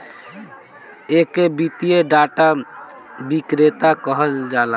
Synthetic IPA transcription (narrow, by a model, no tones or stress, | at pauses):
ekebit̪ijeɖaʈa | bikɾet̪akəɦəld͡ʒala